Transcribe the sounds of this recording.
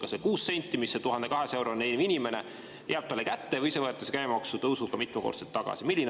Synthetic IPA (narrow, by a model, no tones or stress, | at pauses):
kɑsekuːsːe̞nʲt̪ʲːˑimisːet̪uɦɑnd̪e̞kɑɦesɑe̞wɾoneniminʲime̞ne̞ | jʔæːb̥̚t̪ɑlːe̞kæt̪ːe̞vɤjise̞vɤet̪ːˑɑsekæjmɑksut̪ɤwsukɑmit̪mɑko̰d̪t̪set̪ːɑɡ̥ɑ̰similːin